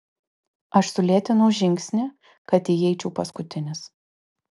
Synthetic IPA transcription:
ɐʃsʊlʲiːt̪ʲɪnɐʊʒʲɪŋʲksʲnʲɛ | kɐt̪ʲɪjɛɪt͡ʃʲɛʊpɐskʊt̪ʲɪnʲɪs

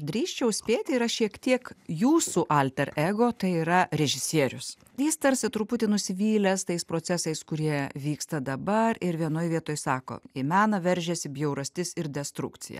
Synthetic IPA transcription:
d̪ʲɾʲiːʃʲt͡ʃʲɛʊsʲpʲeːt̪ʲɪɪɾɐʃʲiɛkt̪ʲiɛkjuːsuːʔɐːlʲt̪ʲɛɾɛɡoːt̪ɐɪiːɾɐɾʲɛʒʲɪsʲiɛɾʲʊs | jɪst̪ɐɾʲsʲɪt̪ɾʊpʊt̪ʲɪnʊsʲɪʋʲiːlʲɛst̪ɐɪspɾoːt̪sʲæːsɐɪskʊɾʲiɛʋʲiːkst̪ɐd̪ɐbɐɾɪɾʋʲiɛnoːjʋʲiɛt̪oːjsɑːko̰ːɪmʲæːnɐʋʲɛɾʲʒʲɛsʲɪbʲjɛʊɾɐsʲt̪ʲɪsɪɾd̪ʲɛst̪ɾʊ̰kt̪t͡s̪ʲɪ̰jɛ̰

